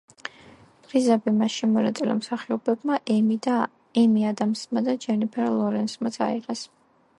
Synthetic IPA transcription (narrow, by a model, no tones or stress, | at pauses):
pɾizabimaʃimɔnat̪sʼila̰msaχiɔbɛbmaʔ̪ | ɛmiad̪amsmad̪ad͡ʒɛnipʰɛɾlˠɔɾɛnsmat̪sʰa̰iqʼɛs